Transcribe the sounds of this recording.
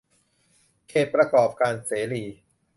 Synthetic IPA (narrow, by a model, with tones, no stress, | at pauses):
kʰeː˧˩t̪̚pɾa˧kɔː˨˩p̚kaː˧nseː˩˦liː˨˩